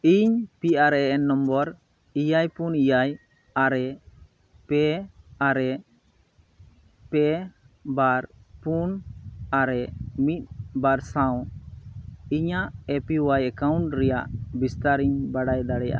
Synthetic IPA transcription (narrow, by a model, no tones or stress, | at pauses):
iɲpiʔaɾɛɛʔɛnːɔmbɔɾ | ijajpunijaj | aɾɛ | pɛaɾɛ | pɛ | baɾpunaɾɛmit̪̚baɾsaw̃ | iɲaʔɛpiwajɛkawɳʈɾɛjaʔbist̪aɾiɲbaɽajd̪aɽɛja̰ʔa̰